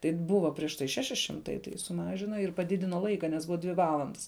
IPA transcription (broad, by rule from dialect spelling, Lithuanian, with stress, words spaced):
tɐɪ ˈbʊʋɐ pʲrʲiɛʃ ˈtɐɪ ˈʃʲæːʃʲɪ ˈʃʲɪmtɐɪ tɐɪ sʊˈmɑːʒʲɪnɐ ɪr pɐˈdʲɪdʲɪnoː ˈlˠɐɪkɐ nʲɛs ˈbʊʋɐ ˈdʲʋʲɪ ˈʋɑːlˠɐndɐs